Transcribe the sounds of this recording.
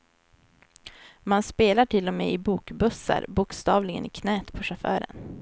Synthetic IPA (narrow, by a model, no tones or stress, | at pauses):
manspeːlaʈʰɪlːɔmḛːɪbuːkbɵsːa̰ɾbʊkst̪ɑːvlɪɡə̰nɪkʰnɛːt̪pʰɔʂafœ̰ːɾə̰n